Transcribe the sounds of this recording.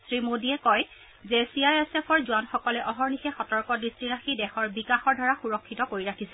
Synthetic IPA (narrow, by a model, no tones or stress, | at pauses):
sɹimodiɛkɔj | zɛsiajɛsɛpʰɔɹzuanxɔkɔlɛʔɔɦɔɹnixɛxɔtɔɹkɔdɹistɹiɹaxidɛxɔɹbikaxɔɹdʱaɹaxuɹɔkʰːitɔkoɹiɹakʰisɛ